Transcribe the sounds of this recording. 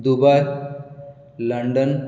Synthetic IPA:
d̪uba | ləɳɖən

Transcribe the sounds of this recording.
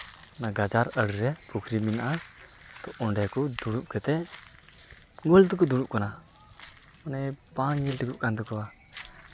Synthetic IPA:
naɡad͡ʒaɾəɽɾɛpʰukʰɾiminʔat̪ɔʔɔɳɖɛkud̪uɽuʔkʰɛt̪ɛ | ɡult̪ukud̪uɽuʔ̚kɔna | ɔnɛpaŋɛlʈiɡuʔ̚kand̪ukɔwa

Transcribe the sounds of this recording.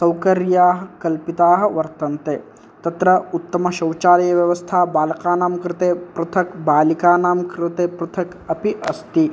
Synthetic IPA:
sɐwkɐɾjaːɦɐ̆kɐlpit̪aːɦɐ̆ʋɐɾt̪ɐnt̪eː | t̪ɐt̪ɾɐut̪ːɐmɐʃɐwt͡ʃaːlɐjɐʋjɐʋɐst̪ʰaːbaːlɐkaːnaːmkɾɪt̪eːpɾɐt̪ʰɐkbaːlikaːnaːmkɾɪt̪eːpɾut̪ʰɐk | ɐpiʔɐst̪i

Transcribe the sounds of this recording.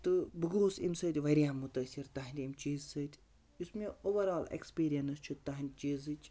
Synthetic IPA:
t̪ɨbɨɡoːsḭmsɐt̪ʲʋɐɾʲijaːmːut̪ɐsʲiɾt̪ɐɦɐnʲt̪ʲimt͡ʃiːzsɐt̪ʲ | usmeoːʋɐɾaːlḛkspiːɾijɐnɐst͡ʃʰut̪ɐɦɐnʲd̪ʲt͡ʃiːzɨt͡ʃʲ

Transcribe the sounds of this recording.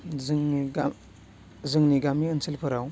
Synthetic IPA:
zŋɡa | zɯŋniɡamiənsʰilpʰɯɾaw

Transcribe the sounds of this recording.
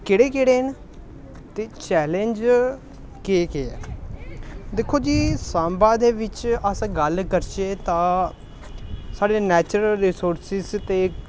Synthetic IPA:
kɪɽeːkɪɽeːn | t̪eːt͡ʃɛːlẽnd͡ʒ | keːkeːɛ | d̪ekʰːoːd͡ʒiːsaːmbaːd̪eːʋɪt͡ʃəsɡəlkəɾt͡ʃeːt̪ãː | saːɽeːnɛːt͡ʃɾəlɾisoːɾsɪzt̪eː

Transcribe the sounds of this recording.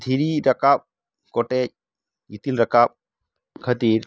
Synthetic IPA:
d̪ʰʱiɾiɾɐkap̚ | kɔʈɛc̚ː | itilɾɐkap̚ | kʰɐdiɾ

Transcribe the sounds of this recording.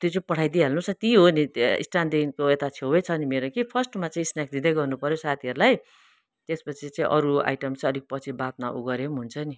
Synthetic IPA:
t̪ot͡sepʌʈʰajd̪iɦelnusʌt̪iɦoniḭsʈanɖinkoet̪at͡sʰewet͡sʰʌnimeɾokipʰʌsʈmat͡saĩsnak̚d̪id̪ʌɡʌrnupʌɾjosat̪ʰiʌɾulaj | t̪espʌt͡sʰit͡sʌĩʔʌ̰ɾua̰jʈʌmt͡sʌlik̚pʌt͡sʰibat̪̚maʔṵɡʌɾemɦunt͡sʰʌni

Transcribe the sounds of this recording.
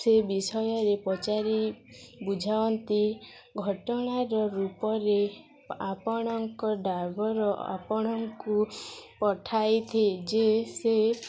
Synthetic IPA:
sebisɔjɔɾepɔt͡ʃaɾibud͡ʒʱawɔnt̪i | ɡʱɔʈɔɽ̃aɾɔɾupɔɾe | apɔɽ̃ɔŋkɔɖabɔɾɔa̰pɔɽ̃ɔŋkupɔʈʰajt̪ʰid͡ʒese

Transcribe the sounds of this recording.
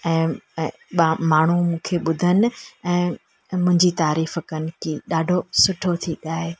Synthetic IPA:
ɛ̃ː | ɓamaːɳ̤umũːkʰeɓʊd̪ʱənɪ̆ɛ̃ː | mʊ̃ɪ̃ɲd͡ʑit̪aːɾiːfəkənɪ̆kiːɗaːɖʱosʊʈʰot̪ʰiɠaːe

